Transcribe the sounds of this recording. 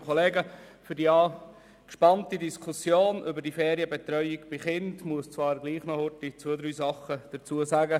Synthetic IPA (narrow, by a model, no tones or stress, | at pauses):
kʰɔleːɡəfʏɾdiɑː | kʃpɑntidiskʰusjoːnʔʏbəɾdifɛːɾiəbet̪ɾœʏiɡb̥ɪχɪndmuəst͡svɑːɾɡliːχnɔhʊtit͡sod̪ɾyːsɑχəd̥əɾt͡suəsaɡə